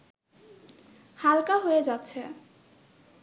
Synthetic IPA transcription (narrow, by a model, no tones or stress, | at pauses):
halkaɦojed͡ʑatːɕʰe